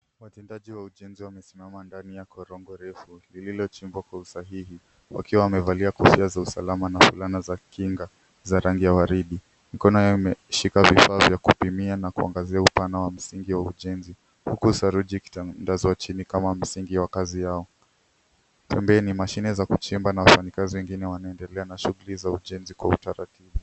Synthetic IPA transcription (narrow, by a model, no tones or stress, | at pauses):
watɛndaʄiwauʄɛnziwamɛsimamandanijakɔɾɔŋɡɔɾɛfulililɔt͡ʃimbwakwausaɦihi | wa̰kiwawamɛvaliakɔfiazausa̰lamanafulanazakiŋɡa | zaɾaŋɡijawaɾiɗi | mikɔnɔjɔimɛʃikavifaːvjakupimianakua̰ŋɡaziaupanawam̩siŋɡiwauʄɛnzi | hukusaɾuʄiki̥tandazɔwat͡ʃinikamam̩siŋɡiwakazijaɔ | pʰɛmbɛɛnimaʃinɛzakut͡ʃimbanawafanikaziwɛŋɡinɛwanaɛndɛlɛanaʃuɣulizauʄɛnzikwautaɾa̰tiɓu